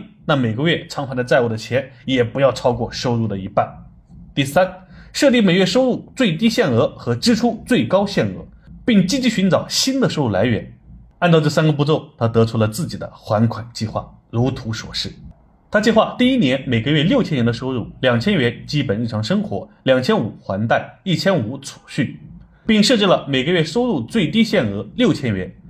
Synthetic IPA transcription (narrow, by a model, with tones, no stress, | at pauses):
na˥˩me˨˩ɪɡə˧ɥɛ˥˩ʈ͡ʂʰɑ˧˥ŋxwa˧˥nd̪t͡sa˥˧ɪu˥˩d̪ə˩t͡ɕʰjɛ˧˥n | jɛ˨˩pu˧˥jɑ˥˩ʊʈ͡ʂʰɑ˥ʊkwɔ˥˩ʂo˥ʊɻu˥˩d̪ə˩i˧˥pa˥˩n | t̪i˥˩sa˥nʂɤ˥˧li˥˩me˨˩ɪɥɛ˥˩ʂo˥ʊɻu˥˩t͡swe˥˩ɪt̪i˥ɕjɛ˥˩nɤ˧˥xɤ˧˥ʈ͡ʂɻ̩˥ʈ͡ʂʰu˥t͡swe˥˩ɪkɑ˥ʊɕjɛ˥˩nɤ̰˧˥ | pi˥˩ŋt͡ɕi˥t͡ɕi˧˥ɕy˧˥nʈ͡ʂɑ˨˩ʊɕi˥nd̪ə˨ʂo˥ʊɻu˥˩la˧˥ɪɥɛ̰˧˥n | a˥˧nt͡s̪ɑ˥˧ʊʈ͡ʂɤ˥˩sa˥nɡə˨˧p̬u˥˧t͡so˥˩ʊt̪ʰa˥t̪ɤ˧˥ʈ͡ʂʰu˥lə˧t͡sɹ̩˥˩t͡ɕi˨˩d̪ə̰˦xwa˧˥nkʰwa˨˩nt͡ɕi˥˧xwa̰˥˩ɻu˧˥t̪ʰu˧˥ʂwɔ̰˨˩ʂɻ̩˥˩ | t̪ʰa˥t͡ɕi˥˧xwa˥˧t̪i˥˧i˥njɛ˧˥nme˨˩ɪɡə˦ɥɛ˥˧ljo˥˩ʊt͡ɕʰjɛ˥nɥɛ˧˥nd̪ʂo˥ʊɻu˥˩ljɑ˨˩ŋt͡ɕʰjɛ˥nɥɛ˧˥nt͡ɕi˥pə˨˩ni˥˩ʈ͡ʂʰɑ˧˥ŋʂɤ˥ŋxwɔ̰˧˥ljɑ˨˩ŋt͡ɕʰjɛ˥nu˨˩xwa˧˥nt̪a˥˧˩ɪi˥˩t͡ɕʰjɛ˥nu˧˥t͡sʰu̥˨˩ɕy˥˩n | pi˥˩ŋʂɤ˥˧t͡ɕi˥˩lə˩me˨˩ɪɡə˦ɥɛ˥˩ʂo˥ʊɻu˥˧t͡swe˥˩ɪt̪i˥ɕjɛ˥˩nɤ˧˥ljo˥˩ʊt͡ɕʰjɛ˥nɥɛ˧˥n